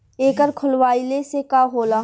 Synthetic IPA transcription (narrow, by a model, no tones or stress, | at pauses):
eːkəɾkʰʊlʋaːilesekaːɦoːla